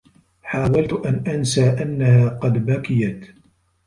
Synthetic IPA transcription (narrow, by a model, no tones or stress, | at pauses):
ħaːwalt̪ʔanʔansaːʔanːahaːqɑd̪bakɪjat̪